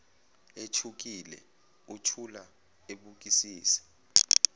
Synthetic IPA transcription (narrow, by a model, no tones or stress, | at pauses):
et͡ʃʰuk̬ilɛ̰ | utʰula | eɓuk̬isiːsɛ̥